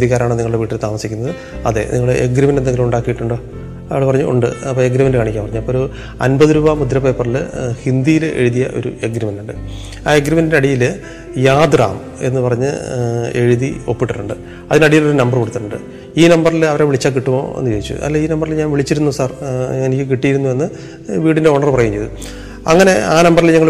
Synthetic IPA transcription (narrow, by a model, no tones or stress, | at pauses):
d̪iɣaːɾaːɳniŋɐɭuɽeʋiːʈːilt̪aːmɐsikʲːunːɐðɨ | ɐðe̞̰niŋːɐɭɨʔeɡɾɐmɐnend̪eŋɡiluuɳɖaːkːijiʈːuɳɖo̞ː | ɐɭpɐrɐɲːuʔṵɳɖɨ̰ɐpːoːeɡɾɐmɐndɨkaːɳikʲːampɐrɐɲːuɐpːoːoɾu | ɐ̰nbɐðɨɾuːbamud̪ɾɐpːepːɐrilɨ̰hind̪ijile̞̰ɻuðijɐ̰ʔo̞̰ɾṵeɡɾɐmɐnuɳɖɨ | aːeɡɾɐmɐndnɐɽijilɨ | jaːd̪ra̰ːm | e̞̰nːɨpɐrɐɲːɨ̰e̞ɻiðio̞pːiʈːɐʈːuɳɖɨ | ɐðinɐɽijilo̞ɾunɐmbɐrkoɽut̪ːiʈːuɳɖɨ̰ | iːnɐmbɐrilɐʋɐɾeʋiɭit͡ɕːaːkiʈːumo̞̰ːe̞̰nːɨkɐjit͡ɕːṵʔɐ̰lːeiːnɐmbɐrilɲaːnʋiɭit͡ɕːiɾunːusaːrenikʲːɨk̬iʈːijiɾunːuʋenːɨ | ʋiːɽinde̞oɳɐrpɐrɐjuːɲt͡ɕejðu | ɐŋːɐne̞aːnɐmbɐrilɲɐŋːɐɭ